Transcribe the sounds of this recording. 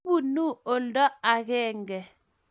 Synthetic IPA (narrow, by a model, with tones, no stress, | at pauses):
bu˦˨nu˦o˨ldɔ˦a˨ɣɛ˦ŋɡɛ˨